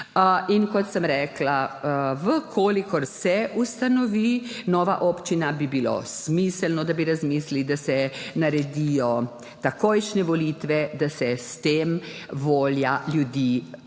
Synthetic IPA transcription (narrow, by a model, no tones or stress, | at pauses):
inkɔt̪səmɾɛːklaʋəkʰoːlikɔɾsɛust̪anɔʋiːnɔːʋa̰ʔoːpt͡ʃinabibilo̰smisɛlnɔd̪abiɾazmiːslid̪asɛnaɾɛd̪ijɔ | t̪akojʃnɛʋɔliːt̪ʋɛd̪asɛst̪eːmʋoːljaljud̪iː